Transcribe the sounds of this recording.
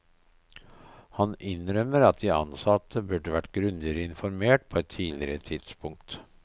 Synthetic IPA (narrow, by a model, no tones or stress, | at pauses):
hɑnʔɪnɾœmːəɾɑt̪̚d̪iːɑ̰nsɑt̪ʰːəbʉɖəʋæʈːɡɾʉnd̪ɪɾəɪnfɔɾmeːʈ̚pʰoːɛt̪ʰːiːlɪɾət̪ʰɪd̪̥spʰʊŋk̚t̪